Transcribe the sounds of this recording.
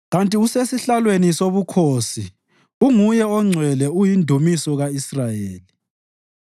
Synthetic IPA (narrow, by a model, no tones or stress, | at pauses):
ɣantʼiusesiɬalwenisoβukʰoːsi | uŋujɛɔŋ͡ǀʱwɛlɛujindʱumisɔɣaisrajeːli